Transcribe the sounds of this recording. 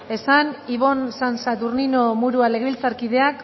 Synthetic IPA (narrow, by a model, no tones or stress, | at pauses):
e̞saniβ̞o̞nsansat̪urninomuɾualeɣilt͡saɾkið̞e̞ak